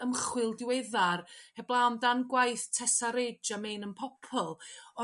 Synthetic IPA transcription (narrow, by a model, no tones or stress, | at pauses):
əmχwɪlˠdɪwɛðarhɛblˠawndanɡwajθtʰɛsaɾed͡ʒamejnənpʰɔpʰɔlˠɔ